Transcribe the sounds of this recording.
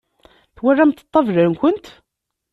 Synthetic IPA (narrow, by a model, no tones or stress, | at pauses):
θwærːamt̪ːə̥t̪ˤːɑvləɾnkʷənt̪